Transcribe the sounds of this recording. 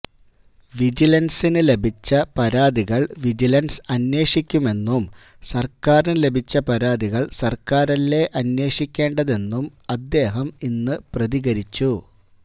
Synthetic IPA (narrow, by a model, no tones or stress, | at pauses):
ʋid͡ʑilɐnsinɨle̞bʱit͡ɕːɐpɐɾaːd̪iɣɐɭʋid͡ʑilɐnsɐnwe̞ːʂikʲːume̞nːum | sɐrkaːrnɨle̞bʱit͡ɕːɐpɐɾaːd̪iɣɐɭsɐrkaːɾɐlːe̞ʔɐnwe̞ːʂikʲːe̞ːɳɖɐðe̞nːumɐd̪ːe̞ːɦɐminːɨprɐðiɣɐɾit͡ɕːu